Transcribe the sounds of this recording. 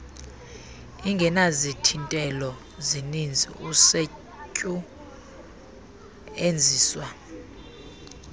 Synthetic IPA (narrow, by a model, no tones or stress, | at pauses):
iŋɡʱɛnazitʰintʼɛlɔ | zinind͡zʱḭuse | cʼu | end͡zʱiːswa